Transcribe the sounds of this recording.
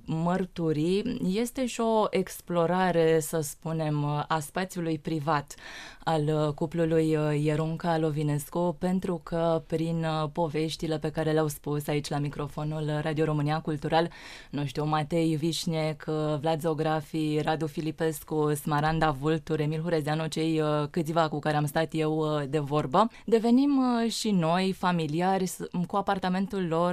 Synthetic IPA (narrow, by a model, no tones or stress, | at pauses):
mərt̪uɾije̞st̪e̞ʃio̞ʔe̞ksplo̞ɾaɾe̞səspune̞maspat̪sjulujpɾivat̪alkuplulujːeɾuŋkalo̞vine̞skupe̞nt̪ɾukʰəpɾinpo̞ve̞ʃt̪ile̞pe̞kaɾe̞lʲawspusait͡ʃʲlamikɾo̞fo̞nulrad̪io̞ɾo̞mɨniakult̪uɾalnoʃt̪iomat̪e̞jvit͡ʃnekʰvlad̪zo̞ɡɾafiɾad̪ufilipe̞skusmaɾand̪avult̪uɾe̞milɦuɾezeanot͡ʃe̞jkɨt̪sivakukaɾe̞amst̪at̪je̞wd̪e̞vo̞rbə | d̪e̞ve̞nimʃino̞jfamiliarʲkuapart̪ame̞nt̪ulːo̞r